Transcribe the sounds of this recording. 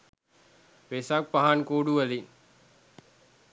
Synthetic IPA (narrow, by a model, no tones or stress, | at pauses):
peːsaːk̚paɦaːnkoːɽuːəliː